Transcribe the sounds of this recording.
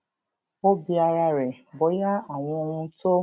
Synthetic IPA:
o˦bi˧a˧ɾa˧ɾɛ˨ | bɔ˨˦ja˦a˨w̃ɔ̃˧ũ˦˧˦to˦

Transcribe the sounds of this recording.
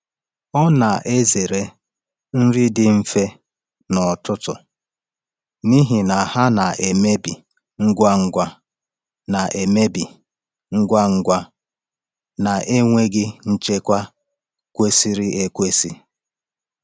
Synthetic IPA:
ɔ˦na˨ʔe˦ze˨ɾe˦ | n̩˦ɾi˦dɪ˦m̩˦fe˦ | nɔ˨tʊ˦tʊ̰˨ | ni˦ɦi˨na˨ha˦na˨ʔe˨me˦bi˨ | ŋ̩˦ɡʷa˦ŋ̩˦ɡʷa˦ | na˨ʔe˨me˦bi˨ | ŋ̩˦ɡʷa˦ŋ̩˦ɡʷa˦ | na˨ʔe˦ŋʷe˦ɡɪ˦n̩˦t͡ʃe˦kʷa˦ | kʷe˦si˦ɾi˦ʔe˦kʷe˦si˦

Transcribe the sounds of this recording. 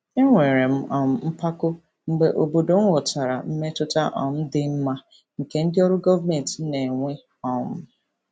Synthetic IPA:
e˦ŋʷe˨ɾe˨m̩˦ɔ˨m̩˦m̩˦pa˦kʊ˦ | ŋ͡m̩˦ɡ͡be˨ʔo˨bo˨do˨ŋ̩˦wʷʊ˨ta˨ɾa˨m̩˦me˦tʊ˦ta̰˦ʔɔ̰˨m̩˦dɪ˦m̩˦ma˦ | ŋ̩˨ke˦n̩˦dɪ˦ɔ˦ɾʊ˦ɡɔ˦va˦me˨n̩˨tne˨ŋʷe˦ | ɔ˨m̩˦

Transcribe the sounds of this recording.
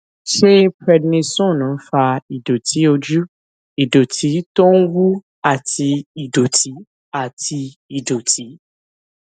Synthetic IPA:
ʃe˦pɾɛ˧dnĩ˧sɔ̃˦˨nũ˨˦fa˧i˨do˨tʰi˨˦o˧d͡ʒu˦ | i˨do˨tʰi˨˦to˦n̩˦wu˦ | a˦˨tʰi˧i˨do˨tʰi˨˦ | a˦˨tʰi˧ | i˨do˨tʰi˨˦

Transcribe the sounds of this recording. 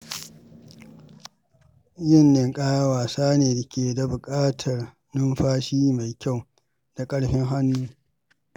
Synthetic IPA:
jɪ˦˨nːɪ˨ŋkʼaː˦ja˦waː˨saː˦neː˨dɪ˨kʲeː˨da˨bʊ˨kʼaː˦tʰɐ˨r | nʊ˦mɸaː˦ʃiː˦ma˨jkʲa˦˨w | d̥a˨kʼɐ˦ɽɸɪ˦ŋɦa˦nːuː˦

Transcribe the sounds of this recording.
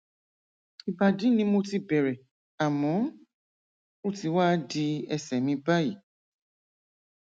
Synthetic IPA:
i˨ba˨di˨˦nĩ˧˦mo˧ti˧bɛ˨ɾɛ˨ | a˨mɔ̃˨˦ | o˦˨ti˧wa˦di˧ɛ˧sɛ˨mĩ˧ba˦ji˨

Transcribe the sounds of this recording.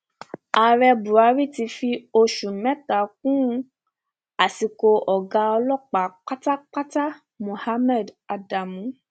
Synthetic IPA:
a˨ɾɛ˧bu˨ɾa˧˦ɾi˦ti˧fi˧o˧ʃũ˨mɛ̃˦ta˨k̚ũ˦˧ | a˨si˨ko˧ɔ˨ɡa˨˧ɔ˧lɔ˦˨k͡pa˨k͡pa˦ta˦k͡pa˦ta˦ | mõ˨ha˦mɛ˦˨da˧da˨mũ˨˦

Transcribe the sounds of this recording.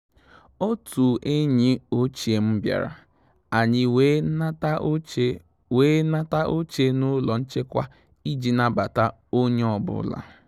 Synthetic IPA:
o˦tu˨ʔe˦ɲi˦o˦t͡ʃe˨m̩˦bja̰˨ɾa̰˨ | a˨ɲɪ˦ | weː˦na˦ta˦ʔo˦t͡ʃe˦nʊ˦lɔ˨n̩˦t͡ʃe˦kʷa˦ | i˦d͡ʒi˨na˦ba˨ta˦ | o˦ɲe˦ɔ˨bʊ̰˦la̰˨

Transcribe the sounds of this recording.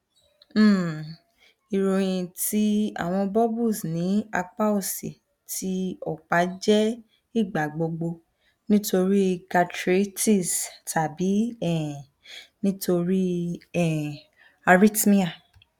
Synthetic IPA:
i˨ɾo˨j̃ĩ˧ti˦a̰˦˨w̃ɔ̃˧bɔ˦bu˦˨snĩ˨˦a˧k͡pa˦o˦˨sḭ˨ | tʰi˦ɔ˦˨k͡pa˨˦d͡ʒɛ˦ | i˦˨ɡ͡ba˨ɡ͡bo˧ɡ͡bo˧ | nĩ˦to˧ɾi˦ka˧tɾe˦ti˦˨stʰa˨bi˨˦ɛ˨ | nĩ˦tʰo˧ɾi˦ɛ˨ | a˧ɾi˦tmi˦a˦˨

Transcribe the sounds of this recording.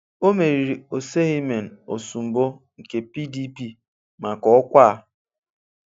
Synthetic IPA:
o˦me˨ɾi˨ɾi˨o˨se˦ɣi˦me˨n̩˨o˨su˨m̩˨bo˦ | ŋ̩˨ke˨pi˦di˦pi˦ | ma˨kɔ˦kʷa˦

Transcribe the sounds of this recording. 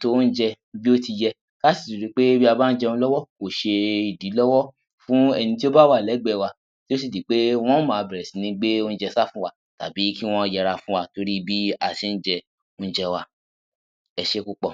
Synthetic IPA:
to˦˧n̩˦d͡ʒɛ˧ | bi˦o˦ti˧jɛ˧ | ka˦si̥˨tu˨ɾi˨˦k͡pe˦bi˦a˧ba˦n̩˦d͡ʒɛ˧ũ˧˦lɔ˦wɔ˦ko˨ʃe˧i˨di˨˦lɔ˦wɔ˦ | fũ˨˦ɛ˧nĩ˧ti˦o˦ba˦wa˦˨lɛ˨˦ɡ͡bɛ˧˨wa˧ | ti˦o˦s̬i˦˨di˨k͡pe˦w̃ɔ̃˦mãː˨˧bɛ˨ɾɛ˨si˨nĩ˧˦ɡ͡be˦o˦n̩˦d͡ʒɛ˧sa˦fũ˦wa˦ | ta̰˨bi˨˦ki˦w̃ɔ̃˦˧jɛ˧ɾa˧fũ˦wa˧to˧ɾi˦bi˦a˧˨ti˧n̩˦d͡ʒɛ˧ | o˧n̩˦d͡ʒɛ˧wa˧ | ɛ˧ʃe˦ku˦k͡pɔ˨

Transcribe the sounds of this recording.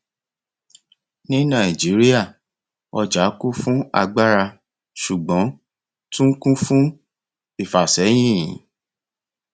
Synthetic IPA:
nĩ˦nã˦˨i˨d͡ʒi˨˦ɾi˦a˦˨ | ɔ˧d͡ʒa˨˦ku˦fũ˦a̰˧ɡ͡ba˦ɾa˧ | ʃu˨ɡ͡bɔ̃˨˦ | tũ˦ŋ̩˦kũ˦fũ˦ | i˦˨fa˨sɛ˨˦j̃ĩ˦˨˦

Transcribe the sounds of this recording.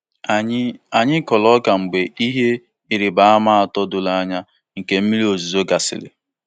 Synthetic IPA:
a˨ɲɪ˦kɔ˨lɔ˦ka˨ŋ͡m̩˨ɡ͡be˨i˦ɦe˦ | i˨ɾi˨ba˨˦a˦ma˦a˨tɔ˦dʊ˨la˦ɲa˦ | ŋ̩˨ke˨m̩˦mi˦ɾi˦o˨zu˨zo˦ɡa˨sɪ̰˨lɪ̰˨

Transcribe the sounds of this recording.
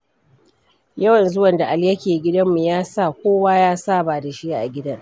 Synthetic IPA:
jɐ˦wɐ˨nzʊ˦wɐ˨nda˨ʔa˨ljɐ˦kʲeː˨ɡʲɪ˦dɐ˦mːu˨jaː˦sa˦˨kʷoː˦waː˦jaː˦saː˦˨baː˨da˨ʃi˦a˦ʔa˨ɡʲɪ˦dɐ˦ŋ

